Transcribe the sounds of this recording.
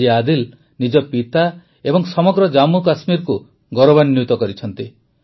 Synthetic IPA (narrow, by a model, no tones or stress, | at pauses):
iad̪il | nid͡ʒɔpit̪a | ebɔŋsɔmɔɡɾɔd͡ʒamukasmiɾku | ɡɔɾɔbanjut̪ɔkɔɾit͡ʃʰɔnt̪i